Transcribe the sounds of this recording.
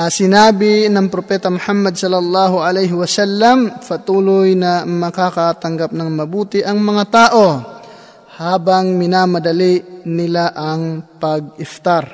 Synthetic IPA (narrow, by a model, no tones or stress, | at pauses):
ʔɐsɪnaːbɪnɐŋpɾopɛːt̪ɐmʊhamːɐd̪̚sɐlːɐlːɑːɦʊʔɐlɛjɦɪwɐsalːɐmpɐt̪uːlʊjnɐmɐkakat̪ɐŋɡap̚nɐŋmɐbuːt̪ɪʔɐŋmɐŋat̪aːʔo̞ | haːbɐŋmɪnamɐd̪ɐlinɪlaʔɐŋpɐɡ̚ɪft̪aɾ